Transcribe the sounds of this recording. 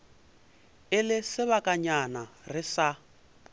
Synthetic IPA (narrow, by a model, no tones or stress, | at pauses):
ɪlɪsɪβakʼaɲanarɪsa